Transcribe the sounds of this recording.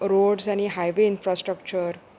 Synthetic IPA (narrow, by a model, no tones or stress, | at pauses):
ɾoɖsañiɦajʋeinfɾasʈɾəkt͡ɕəɾ